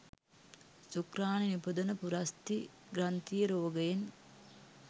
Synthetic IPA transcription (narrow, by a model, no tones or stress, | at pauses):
sukɾaːninipud̪ɐnɐpuɾɐst̪i | ɡɾɐnt̪ijəɾoːɡɐjen